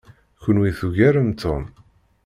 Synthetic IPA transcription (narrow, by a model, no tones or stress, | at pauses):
çʊnwiθuʝæɾənt̪ʰom